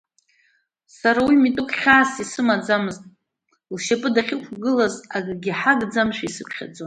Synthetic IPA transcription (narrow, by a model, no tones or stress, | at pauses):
saɾawimitʼʊkʷʼʰχʲaːsisɨmad͡zamɨztʼ | lʃapʼɨdaχʲɪkʷʰɡɨlazaɡʼɡʲiħaɡd͡zamʃʷᶣaisɨkʰʷχʲa̰d͡zon